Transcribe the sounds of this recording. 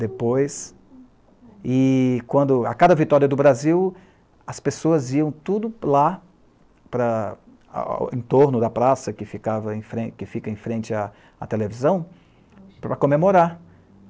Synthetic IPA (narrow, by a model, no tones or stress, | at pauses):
d̪epojs | ɪkwɐ̃nd̪ʊa̰kad̪ɐvit̪ɔɾiɐd̪ʊbɾaziw | ɐspesoɐziɐ̃w̃t̪ud̪ʊla | pɾɐ̰ | ẽt̪oɾnʊd̪ɐpɾasɐkɪfikavɐẽfɾẽkɪfikɐẽfɾẽnt͡ʃɪa | a̰t̪elevizɐ̃w̃ | pɾɐkomemoɾaɾ